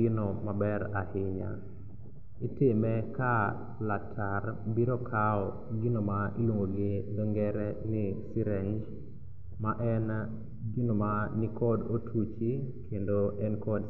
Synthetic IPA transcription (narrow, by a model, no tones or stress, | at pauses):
ɪnomabɛɾahɪɲa̰ | itɪmɛka | latʰarbiɾokʰaɔ | ɡɪnomailwoŋɡoɡɪd̪ɔŋɡɛɾɛnɪsiɾɛɲd͡ʒ | maʔɛn | ɡɪnomanɪkɔdotʰut͡ʃikʰendoɛnkɔd